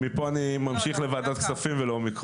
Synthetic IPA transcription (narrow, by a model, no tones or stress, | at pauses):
mipoanimamʃiχlevaːd̪at̪ksafimvelomik